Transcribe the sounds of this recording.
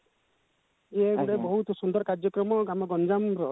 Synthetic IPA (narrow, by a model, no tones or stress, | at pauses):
eɽebɔɦut̪sund̪ɔɾɔkaɾd͡ʒjɔkɾɔmɔɡamaɡɔnd͡ʒamɾɔ